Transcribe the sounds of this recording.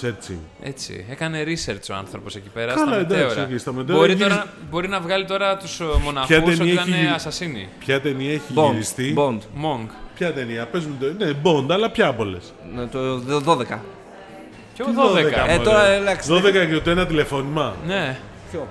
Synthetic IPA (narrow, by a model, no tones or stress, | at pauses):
seɾt͡sḭ | e̞̰t͡sḭekɐne̞ɾiseɾt͡so̞ɐ̰nθɾopo̞se̞cipe̞ɾɐsɐlɐd̪ɐeosɾoist̪ɐmet̪eoɾit̪oɾɐbo̞ɾinɐvɣɐlit̪oɾɐt̪usmo̞nɐçɐtuensniiɐet̪ɐineɐsɐsinḭpçɐt̪e̞niɐeçiʝboiɾisst̪ibo̞nd̪moŋɡpçɐt̪e̞niɐpe̞zumt̪onebo̞nd̪ɐːlɐpçɐpo̞le̞s | t̪oðo̞ðekɐ | ðoðeekɐet̪oɾɐlɐksðoðekɐeot̪uenɐt̪ile̞fo̞nimɐne | o